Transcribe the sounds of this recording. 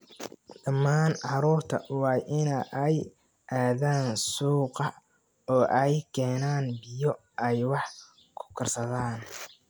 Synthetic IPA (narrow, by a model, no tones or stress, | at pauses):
d̪̥ɐmːaːnʕɑɾuːrt̪ʰɐ̰wɑːʔɪnɛʔɛj | ʔaːðaːnsuːqɐ | ɔːʔɛjkʰɛːnaːnbɪjɔ | ɛjwɑħ | kʰʊ̥kʰɐrsɐðaːn